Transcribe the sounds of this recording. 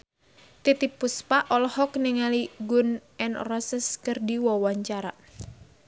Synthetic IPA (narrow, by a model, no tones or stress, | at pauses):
t̪it̪ipuspaʔɔlɔhɔkniŋaliɡʊnɛnrɔsəskərdiwɔwaɲt͡ʃaɾa